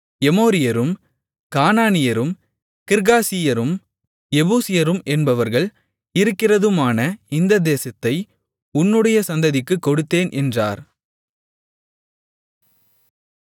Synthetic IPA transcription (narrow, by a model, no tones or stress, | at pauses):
ɛmoːɾɪjɐɾɯm | kaːnaːnɪjɐɾɯm | kɪɾɣaːsɪjɐɾɯm | ɛbuːsɪjɐɾɯmʔɛnbɐʋɐɾɣɐɭ | ɪɾɯkːɪrɐðɯmaːnɐɪnd̪ɐd̪eːsɐt̪ːɐɪ | ʊnːɯɽɐjɐsɐnd̪ɐðɪkːɯkːɔɽɯt̪ːeːnʔɛndraːɾ